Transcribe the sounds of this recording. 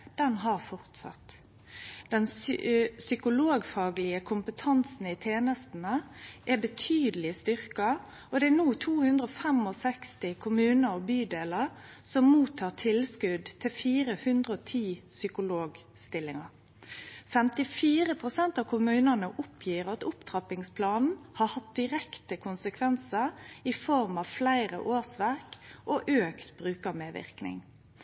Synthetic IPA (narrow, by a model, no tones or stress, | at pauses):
d̪̥ɛnɦɑʁfɔʁt̪sɑ̰t̪ | d̪̥ɛn | sʏkʊloːɡfɑːɡlɪəkʰʊmpət̪ʰɑnsn̩ɪt̪ʰeːnəst̪nəʔɛbət̪ʰyːd̪əlɪst̪ʏʁkɑ | ɔd̪ɛɛnuːt̪ʰuːhʉnd̪ɾəɔfɛmɔsɛkst̪ɪkʰʊmʉːnəɾɔbyːd̪eːləɾ | sɔmmuːt̪ʰːɑːʁt̪ʰɪlskʉd̪t̪ʰɪlfiːɾəhʉnd̪ʁəɔt̪ʰiːsʏkʊloːɡ | st̪ɪlːɪŋə | fɛmt̪ɪfiːɾəpʰʁʊsɛnt̪ɑʋkʰʊmʉːnənəʔʊpʰjiːɾɑt̪ʊpt̪ʰʁɑpɪŋspʰlɑːnn̩hɑhɑt̪̚d̪ɪʁɛkt̪əkʰʊnsəkʰʋɛnsəɪfɔɾmɑʋflæɪɾə̰ʔoːsʋæɾkʔɔʔøːkt̪b̥ɾʉːkɑmeːʋɪ̰ʁknɪ̰ŋ